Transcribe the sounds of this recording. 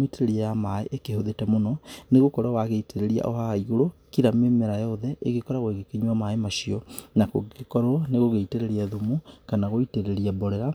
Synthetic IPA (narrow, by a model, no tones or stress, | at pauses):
eteɾeɾiajamaeʔekehoðetɛmonɔneɣokɔɾwawaɣeiteɾeɾia̰ʔɔhaaiɣoɾo | kiɾamemeɾajɔðɛʔeɣekɔɾaɣweɣekeɲuwamaemaʃiɔnakoekɔɾneɣoɣeiteɾeɾiɛðumukanaɣoiteɾeɾiabɔɾɛɾa